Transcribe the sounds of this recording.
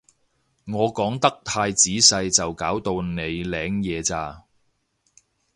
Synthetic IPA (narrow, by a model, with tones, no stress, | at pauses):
ŋɔː˨˧kɔː˨˥ŋt̪ɐ˥k̚t̪ʰaː˧jt͡siː˨˥sɐ˧jt͡sɐ˨wkaː˨˥wt̪o˧wne˨˧jlɛː˨˧ŋjɛː˨˧t͡saː˧